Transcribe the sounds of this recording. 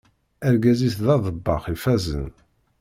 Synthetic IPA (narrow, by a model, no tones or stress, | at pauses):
æɾɡæziθðɑðˤəbːɑ̰χifæzə̰n